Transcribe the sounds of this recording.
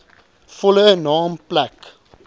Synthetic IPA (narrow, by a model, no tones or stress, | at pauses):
fɔləənɑːmplæk